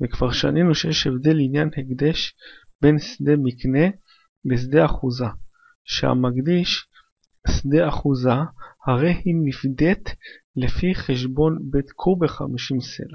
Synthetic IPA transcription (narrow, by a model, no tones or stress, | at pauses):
vekv̥aʁʃa̰ninuʃejeʃevd̪e̞linjanheɡd̪eʃbe̞nsd̪emikne̞ | bes̬d̪eaχuza | ʃḛha̰maɡd̪iʃ | sd̪e̞aχuzahaʁe̞jhinifd̪et̪ | lefiχeʃ̬bo̞nbet̪kʰubeχa̰miʃimse̞̰la